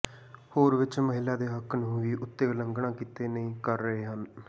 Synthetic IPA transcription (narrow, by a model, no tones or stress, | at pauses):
hoːɾʋɪt͡ʃməɦɪlaːd̪eːɦəkʰːnɦʊiːʔʊt̪ːeːləŋɡɳãːkit̪eːnəĩːkəɾːəɦeːɦən